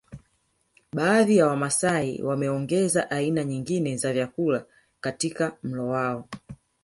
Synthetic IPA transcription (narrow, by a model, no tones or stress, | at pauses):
ɓaːðijawamasaḭwamɛɔŋɡɛzaʔainaɲiŋɡinɛzavjakula | katikam̩lɔwaɔ